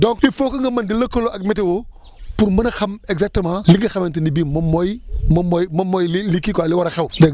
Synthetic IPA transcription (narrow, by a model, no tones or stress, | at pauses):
dɔ̃ŋkifokɐŋɡɐmɐndilɐkoloɐk̚metewo | puɾmɐnɐxɐmeɡzak̚təmãliŋɡɐxɐmentinibimɐmojmɐmojmɐmojlilikːikalɪwaɾɐxewdɛ